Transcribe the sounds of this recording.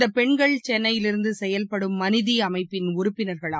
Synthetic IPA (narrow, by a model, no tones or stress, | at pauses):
d̪ɐpɛɳɡɐɭt͡ʃɛnːɐjɪlɪɾɯnd̪ɯsɛjɐlpɐɽɯmːɐnɪðiɐmɐɪpːɪnʊɾɯpːɪnɐɾɣɐɭa